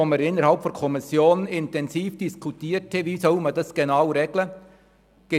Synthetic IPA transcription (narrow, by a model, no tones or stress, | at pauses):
oməɾɪnːəɾhɑlpfɔnkʰɔmɪsjoːnɪntɛnziːfd̥iskʰutiːɾtʰeviːsɔʊmədɑsɡ̥enaʊɾɛɡlə | ɡ̥e